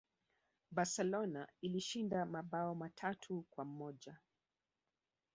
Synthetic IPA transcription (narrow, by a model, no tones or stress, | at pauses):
ɓasɛlɔnailiʃindamaɓaɔmatʰatʰukwam̩mɔʄa